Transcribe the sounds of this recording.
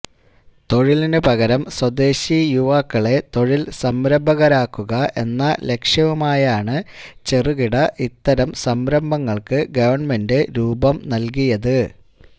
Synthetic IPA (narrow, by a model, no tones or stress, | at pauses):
t̪o̞ɻilinɨpɐɣɐɾɐmswɐd̪e̞ːɕijuʋaːkːɐɭe̞t̪o̞ɻilsɐmɾɐmbʱɐɣɐɾaːkːuɣɐʔe̞nːɐle̞kʂjɐʋumaːjaːɳɨt͡ɕe̞ruɣiɽɐʔit̪ːɐɾɐmsɐmɾɐmbɐŋːɐɭkɨɡɐʋɐɳme̞ndɨɾuːbɐmnɐlk̬ijɐðɨ